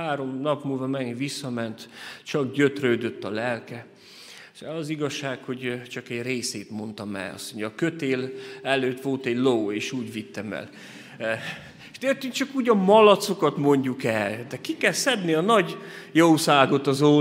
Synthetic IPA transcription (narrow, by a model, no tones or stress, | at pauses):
aːɾo̞mnɒpmuːlvɒmɛɡiʋisːɒmɛnt̪t͡ʃɒɡɟø̞t̪røːd̪ø̞t̪ːɒlɛlkɛ | ʃɛlɒziɡɒʃːaːkho̞ɟt͡ʃɒkɛɟreːseːt̪mo̞nt̪ɒmɛ̰lɒ̰soɲːkøt̪eːlɛløːt̪ʋo̞lt̪ɛɟloweːʃuːɟʋit̪ːɛmɛ̰l | eʃt̪eːrt̪yŋk̚t͡ʃɒkuːɟɒmɒlɒt̪so̞kɒt̪mo̞ɲɟukɛld̪ɛkikɛlsɛb̪niɒnɒɟjowsaːɡo̞t̪ɒzo